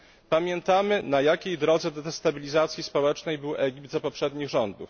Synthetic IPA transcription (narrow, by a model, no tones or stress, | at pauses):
pamʲjɛnt̪amɘnajakʲejd̪ɾɔd̪zɛd̪ɛt̪ɛst̪abʲilʲizat̪sʲjispɔwɛt͡ʂnɛjbɘwʔɛɡʲip̚t̪zapɔpʂɛd̪ɲiɣʐɔnd̪ṵf